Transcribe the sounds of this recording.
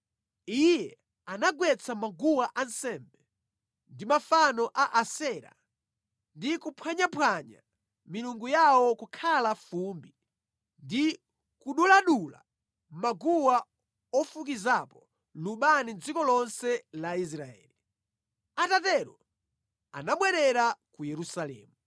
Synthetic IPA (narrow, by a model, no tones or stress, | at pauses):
ijɛ | anaɡwɛt͡sʰamaɡuwaʔansɛmbɛ | ndimafanɔʔaʔasɛɾa̰ | ndikupʰwaɲapwaɲa̰ | miluŋɡujawɔkukʰalafumbi | ndi | kuɗulaɗula̰ | maɡuwa | ɔfukizapɔ | luɓanind͡zikɔlɔnsɛlais̬ɾaɛ̰ːli | atatɛɾɔ | a̰naɓwɛɾɛɾakujɛɾusalɛ̰ːmu